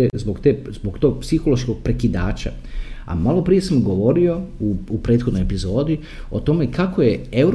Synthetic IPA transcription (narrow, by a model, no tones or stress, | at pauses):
ezboɡt̪eːzboɡt̪o̞ːɡ̚psixo̞loʃko̞ɡ̚pɾe̞kid̪a̰ːt͡ɕa̰ | a̰malo̞pɾije̞samɡo̞ʋo̞ɾio̞uupɾe̞ːt̪xod̪nojepizo̞ːd̪i | o̞t̪o̞me̞kakoje̞ewɾ